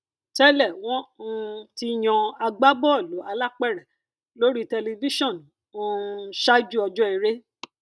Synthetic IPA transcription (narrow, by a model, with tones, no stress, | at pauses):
tɛ˦lɛ˦˨w̃ɔ̃˦˧ti˦j̃ɔ̃˧a˧ɡ͡ba˦bɔ˦ɔ˦˨lo˨˦a˧la˦k͡pɛ˦˨ɾɛ˨ | lo˦ɾi˦tɛ˧li˧vi˦ʃɔ̃˦˨n˨ | ũ˧ʃa˦d͡ʒu˦ɔ˧d͡ʒɔ˦i˧ɾe˦